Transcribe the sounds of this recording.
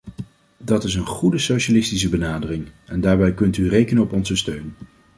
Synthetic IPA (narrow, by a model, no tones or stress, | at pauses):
dɑtɪsənχudəsowʃalɪstis̬əbənaːdərɪŋɛndaːɹbɛjkɵntyrejkənəɔpɔnzəstøɥn